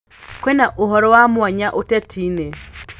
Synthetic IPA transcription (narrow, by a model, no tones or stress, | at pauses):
kwɛnaʔoɦɔɾɔwamwaɲaʔotɛtʰiːne